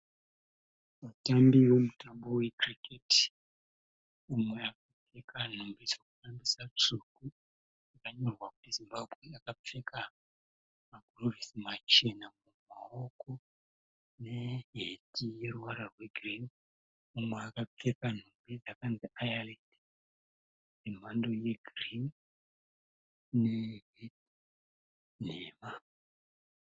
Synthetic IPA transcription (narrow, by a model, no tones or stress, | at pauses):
ʋatambiʋo̞mutambo̞we̞kriketi̥ | umwe̞akap͡fe̞kan̤umbid͡zokufambisat͡suku | akaɲo̞rwaku̥tizimbabʱɣeakap͡fe̞ka | maɡʱrovisimat͡ʃe̞namumaoko̞ | neɦetije̞ɾuwaɾarwe̞ɡʱrin | mumweakap͡fekan̤umbid͡zakand͡ziʔajaledi̥ | jem̤ando̞je̞ɡʱrin | neɦeti | neːma